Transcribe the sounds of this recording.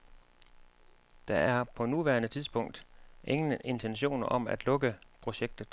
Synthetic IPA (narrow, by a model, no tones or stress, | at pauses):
d̥ɑ̈æɐpʰɒ̽nuʋæːɐnət͡sʰiðˠsb̥ɔ̽ŋ̰d̥ʔe̝ŋənʔe̝nt͡sʰenɕo̝̰ːnɐʔɒ̽mæd̥lɔ̽ɡ̥əpʰʁo̝ɕeɡ̥̚d̥ð̞̩ˠ